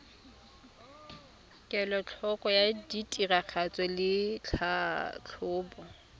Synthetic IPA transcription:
kʼɛlɔt͡ɬʰɔkʼɔjaditʼirak͡xʰat͡sʼɛlɪt͡ɬʰat͡ɬʰʊːbɔ

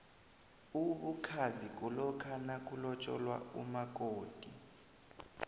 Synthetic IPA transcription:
uɓukʰazik̬ʼulɔkʰanak̬ʼulɔt͡ʃʼɔ̰lwa̰ṵmak̬ʼoːd̥ʱi

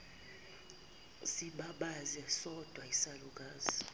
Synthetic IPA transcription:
siɓaɓazɛsɔd̥ʱwaisaluk̬ʼaːzi

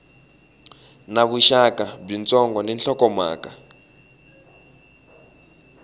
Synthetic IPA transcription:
naβuʃakab͡ʐint͡sɔŋɡɔnɛnɬɔkɔma̰ːka

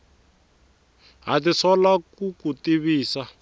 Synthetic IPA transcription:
ɦatisʰɔlakukutiβiːsa

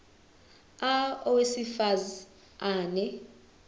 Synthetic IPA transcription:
aɔwesifaz | aːnɛ

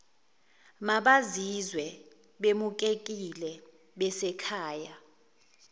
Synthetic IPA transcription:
maɓazizwɛ | ɓemuk̬ʼekʼilɛ | ɓɛsɛkʰaːja

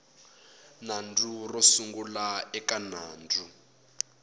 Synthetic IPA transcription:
nand͡zurɔsuŋɡulaɛkanaːnd͡zʱu

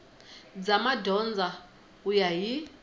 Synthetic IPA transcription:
d͡zamadʱɔnd͡zʱa | ujaɦi

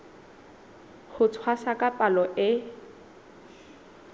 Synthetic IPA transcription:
χʊt͡sʰwasakʼapʼalɔʔɪ

